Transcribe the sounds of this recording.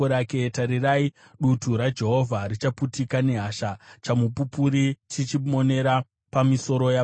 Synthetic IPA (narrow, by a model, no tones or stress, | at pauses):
oɾake̞taɾirai | ɗutuɾad͡ʒe̞ɦo̞vʱaɾit͡ʃaputikane̞ɦaʃat͡ʃamupupuɾit͡ʃit͡ʃimo̞ne̞ɾa | pamiso̞ɾo̞ja